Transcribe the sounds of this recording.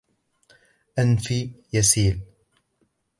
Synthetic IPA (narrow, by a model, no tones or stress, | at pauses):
ʔanfijasiːl